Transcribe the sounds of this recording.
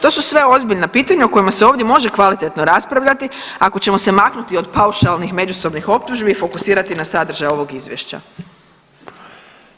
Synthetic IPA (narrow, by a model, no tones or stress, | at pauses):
t̪o̞susʋe̞o̞zbiʎnapiːt̪aɲauko̞jimaseo̞ːʋd̪je̞mo̞ʒe̞kʋalit̪e̞t̪no̞ɾaspɾaʋʎat̪iako̞t͡ɕe̞mo̞se̞maknut̪io̞d̪pauʃalnixme̞d͡ʑuso̞bnixo̞p̚t̪uʒbiːfo̞kusiːɾat̪inasad̪r̩ʒajo̞ʋo̞ɡizʋjḛʃt͡ɕa̰